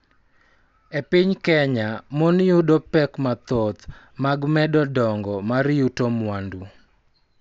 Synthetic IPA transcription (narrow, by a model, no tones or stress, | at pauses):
epɪɲkɛɲamɔnɪudɔpɛkmat̪ɔt̪ | maɡmɛdɔdɔŋɡɔmaɾɪjutomwandu